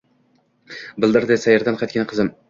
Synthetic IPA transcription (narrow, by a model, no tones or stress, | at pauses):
bɪlˠd̪ɪɾd̪ɪsæjaɾd̪anqʰɑt̪kʲʰanqʰəzɪm